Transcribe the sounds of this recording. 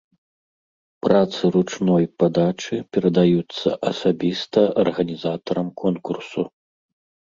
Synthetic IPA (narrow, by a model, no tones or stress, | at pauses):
pɾat̪sɨɾut͡ʂnɔjpad̪at͡ʂɨpʲɛɾɐd̪ajut̪sːɐ̰ʔɐsabʲist̪ɐɐrɣɐnʲizat̪ɐɾɐmkʰɔnkursu